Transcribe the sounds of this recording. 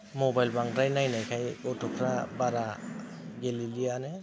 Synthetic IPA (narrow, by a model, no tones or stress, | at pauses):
mɔbajlbaŋɾajnajnajkʰajɡɔtʰɔkʰɾabaɾa | ɡelilianɛ